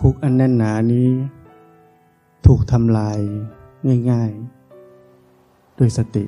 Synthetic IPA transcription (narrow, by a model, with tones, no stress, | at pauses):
pʰu˦˥k̚ʔa˧nːɛ˥˩nːaː˩˦niː˦˥ | t̪ʰuː˨˩k̚t̪ʰa˧mlaː˧jŋaː˥˩jŋaː˥˩j | do˧˩jsa˧t̪ḭ˨˩ʔ